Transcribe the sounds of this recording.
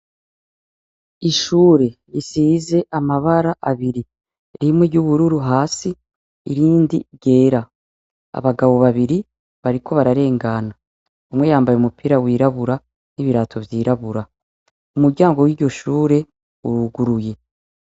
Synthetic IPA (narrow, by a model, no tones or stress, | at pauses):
iʃuːɾe̞ɾisiːze̞ʔamaβaɾaʔaβiɾi | ɾimwiɾɟuβuɾuɾuɦaːsiː | ɾiːndḭɟe̞ːɾa | a̰βaɡaβo̞βaβiɾi | βaɾikʰo̞βaɾaɾe̞ːŋɡana | umwe̞jaːmbajeumupiɾawiːɾaβuɾa | niβiɾaːtʰo̞vjiːɾaβuɾa | umuɾɟaːŋɡo̞wiːɾɟo̞ʃuːɾe̞ | uɾuɡuɾuje̞